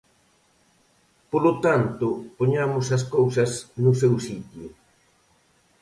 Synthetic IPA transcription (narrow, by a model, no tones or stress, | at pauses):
polot̪ant̪ʊpoɲamʊsɐs̬kowsɐsnʊsewsit̪jʊ